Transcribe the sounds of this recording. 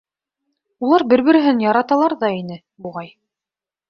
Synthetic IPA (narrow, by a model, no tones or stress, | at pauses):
ulˠɑɾbɘɾβɘ̆ɾɘ̆ɦɘnjɑɾɑt̪ɑlˠɑɾðɑinɘ | buʁɑj